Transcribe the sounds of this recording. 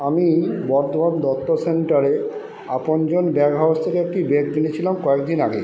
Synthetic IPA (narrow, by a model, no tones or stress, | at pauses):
amibɔɾt̪ʰomand̪ɔt̪ːoseɳʈaɾe | apond͡ʑonbɛkɦawst̪ʰekeek̚ʈibekt̪init͡ɕʰilamkɔekd̪inaɡe